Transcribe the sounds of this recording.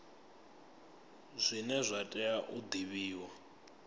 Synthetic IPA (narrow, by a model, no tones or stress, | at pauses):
zʷinɛzʷatʼɛaʔud̪iβiːwa